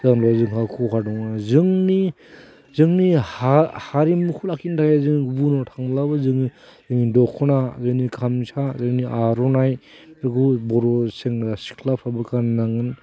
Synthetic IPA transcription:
zaŋɾazɯŋɦakʰuɦʰadɔŋnazɯŋni | zɯŋnihahaɾimukʰulakʰintʰajezɯŋnibunɔtʰaŋlabɯzɯŋni | zɯŋnidɔkʰɔnazɯŋnikʰamsʰazɯŋniʔaɾɔnaj | ɯkubɔɾɔseŋɾasi̥kʰlapʰabɯkannaŋɯn

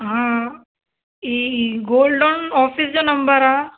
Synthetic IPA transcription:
ɦã | iɡoːlɖɖonɔːfisd͡ʑonɐmbəɾaː

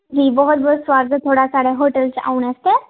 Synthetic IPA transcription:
d͡ʑiːbəɦut̪̚bʱɔɦut̪sʋaɾd̪ʱət̪ʰoɽasaɽeɦoʈəlt͡sa̰unəst̪e

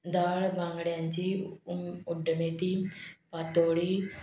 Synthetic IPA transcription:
d̪aːlbãŋɡɽãnt͡ʃiː | ʊɖəmeːt̪iːpat̪oːɽiː

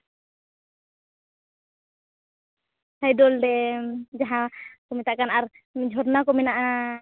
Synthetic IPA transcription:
sajdɔldɛd͡ʒaɦãkɔmɛt̪aʔkanaɾ | mɛd͡ʒʱɔɾnakɔmɛnaʔa

